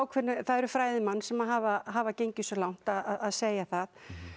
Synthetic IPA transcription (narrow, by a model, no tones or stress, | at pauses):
wkʰvɛnːʏθaðɛɾʏfɾaːjðɪmanːsɛmaɦavaɦavacejɲcɪsɔlawŋ̥t̪aðaðaðseːjaθað